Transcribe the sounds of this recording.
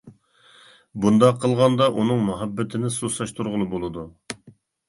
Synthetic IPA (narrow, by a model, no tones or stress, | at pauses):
bund̪ɑqʰːəlˠʁɑnd̪ɑʔunɨŋmɑɦæbːɪt̪ʰɪnɪsusɑʃt̪ʰuɾʁʊlˠɨbolˠɨd̪u